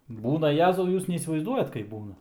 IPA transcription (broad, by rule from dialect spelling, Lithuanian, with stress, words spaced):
ˈbuːnɐ ˈjæːzɐʊ ˈjuːs nʲɛiːsʲɪʋɐɪzˈduɔjɛt kɐɪp ˈbuːnɐ